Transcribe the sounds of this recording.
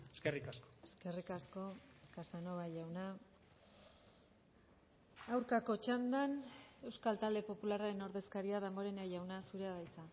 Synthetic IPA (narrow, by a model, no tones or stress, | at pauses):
eskerikasko̥eske̞rikasko̞kasano̞βaʝawna | awɾkako̞t͡ʃand̪ane̞wskalt̪ald̪e̞po̞pularaɾe̞no̞ɾðe̞skaɾiað̞emɡo̞ɾe̞najawnasuɾe̞aðajt͡sa